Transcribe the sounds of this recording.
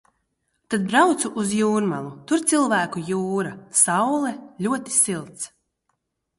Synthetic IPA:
t̪ad̪̚bɾawt̪suʔːzjuːɾmalˠut̪uɾt̪silˠvæːkujuːɾasawlˠɛlʲuɔt̪i̥silˠt̪s

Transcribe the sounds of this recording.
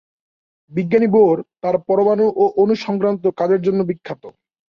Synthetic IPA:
biɡːaniboɾt̪aɾpɔɾomanoʔoʔonuʃɔŋkɾant̪̬okad͡ʑeɾd͡ʑonːobikʰːat̪o

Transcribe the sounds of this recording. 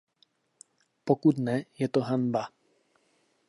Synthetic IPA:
pɔkud̪nɛjɛt̪ɔɦanba

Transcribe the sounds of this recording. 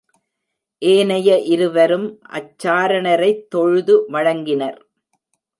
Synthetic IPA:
ʔeːnɐjɐʔɪɾɯʋɐɾɯmʔɐ̰t͡ʃːaːɾɐɳɐɾɐɪt̪ːɔɻɯðɯʋɐɻɐŋɡɪnɐɾ

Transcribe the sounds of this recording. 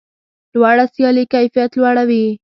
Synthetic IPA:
d̪wɑɽasjɑlikajfijat̪lwaɽawi

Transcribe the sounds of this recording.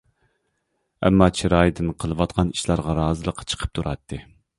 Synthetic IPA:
ɛ̰mːɑt͡ʃʰiɾɑjd̪ɨnqʰəlˠɨwɑt̪̚qʰɑni̥ʃlˠɑɾʁɑɾɑːzɨlˠəqʰːt͡ʃʰə̥qʰə̥p̚t̪ʰuɾʔɑt̪ʰːɨ

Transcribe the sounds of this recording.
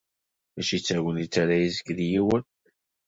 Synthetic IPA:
æʃit͡sːæwənit͡sːaɾæjizəkːðijiwən

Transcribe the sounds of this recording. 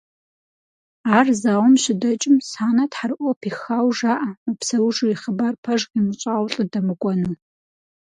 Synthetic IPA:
aːrzaːwmɕɪdɐt͡ʃʼɪmsaːnɐtħarʔʷɔpʰiːxaːwʒaːʔɐmɨpsɐwʒuiχəbarpʰɐʒqimɨɕʼaːwɬʼɨdɐmɨkʷʼɔnɨ

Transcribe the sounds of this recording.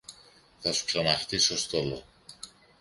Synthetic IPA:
θɐsu̥ksanaxt̪isost̪olo

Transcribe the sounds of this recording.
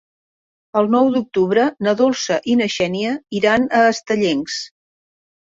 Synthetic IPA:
əlˠnɔwd̪uk̚t̪uβɾənəðolˠsəʔinəʃɛniəiɾanəːst̪əʎeŋs

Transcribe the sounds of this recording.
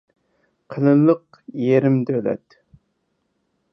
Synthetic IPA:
qʰəlɨlˠəq | jeɾɪmd̪ølɛ̰t̪

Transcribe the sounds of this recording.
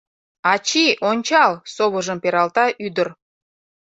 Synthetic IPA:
ɑt͡ɕiʔonʲt͡ɕɑlsoβəʒəmpeɾɑlt̪ɑʔyd̪əɾ

